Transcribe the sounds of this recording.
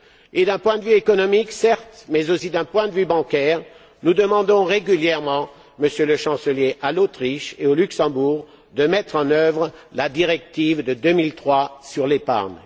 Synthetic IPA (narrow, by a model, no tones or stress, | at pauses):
ed̪ɛ̃pwɛ̃d̪əvyekɔnɔmiksɛʁt̪mɛzosid̪ɛ̃pwɛ̃d̪əvybɑ̃kɛʁ | nud̪əmɑ̃d̪ɔ̃ʁeɡʲyljɛʁmɑ̃ | məsjøləʃɑ̃səljeʔalot̪χiʃeolyksɑ̃buːʁ | d̪əmɛt̪χɑ̃nœvʁəlad̪iʁɛk̚t̪ivd̪əd̪ømilt̪χwasyʁlepa̰ʁn